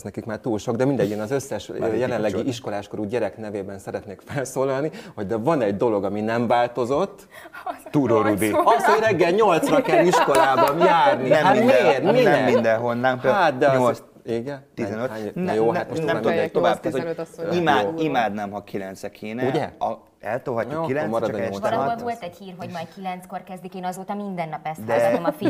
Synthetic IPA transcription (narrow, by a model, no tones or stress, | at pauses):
snɛkikmaːrt̪uːlʃo̞ɡd̪ɛmind̪ɛɟːinɒzø̞sːɛʃøjɛlɛnlɛɡiʔiʃko̞laːʃko̞ɾuɟɛɾɛknɛveːbɛnsɛɾɛt̪neːkfɛlsoːlɒlniho̞ɟd̪ɛvɒnɛɟd̪o̞lo̞ɡɒminɛɱvaːlt̪o̞zo̞t̪ː | t̪uɾoɾub̪iɒshojrɛɡːɛlɲo̞lt̪srɒkɛliʃkko̞laːbɒnjaːrniɛamirmiɛmind̪ɛɦonːaːŋat̪̚d̪ɛo | iɡɛnt̪ːizɛnøtaɛjoːhat̪onɛod̪ekt̪ovaːb̚kɛzoimaːimaːd̪nɛmɦɒkʰilɛnt̪sɛkʰeːnɛuɟɛɒ | ɛ̰lt̪olɦɒcːuokːkilɛnmɒɾɒd̪ɲololt̪ɛchiːrɦo̞ɟmaːj̪kilɛnt̪skorkɛzd̪ikeːnɒzoːt̪ɒmind̪ɛnːɒpɛsd̪ɛmfi